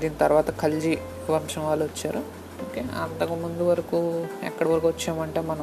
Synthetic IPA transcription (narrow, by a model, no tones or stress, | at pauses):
d̪iːnit̪ɐɾʋaːt̪ɐkʰɐld͡ʒi | ʋɐmʂɐmʋaːlːuʋɐt͡ʃːaːɾu | oːkeːɐ̰nt̪ɐkumund̪uʋɐɾɐkuːɛ̰kːɐɽɐʋɐɾɐkuʋɐt͡ʃːaːmɐɳʈe̞ːmɐnɐm